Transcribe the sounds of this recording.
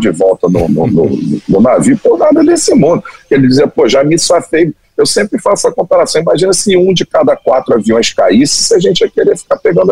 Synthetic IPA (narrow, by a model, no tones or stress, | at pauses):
d͡ʒɪvɔwt̪ɐnʊ̰nʊnʊ̰nnʊnaviwʊpoɾnad̪ɐd̪esɪmũd̪ʊkɪelɪd͡ʒɪziɐpoʒamisafej | ewsẽmpɾɪfassɐkõmpaɾasɐ̃w̃imaʒĩnɐsɪũd͡ʒɪkad̪ɐkwat̪ɾʊaviũɐʃkaisɪ̥sɪaʒẽnt͡ʃɪɛkeɾefi̥kapeɡɐ̃nd̪ʊ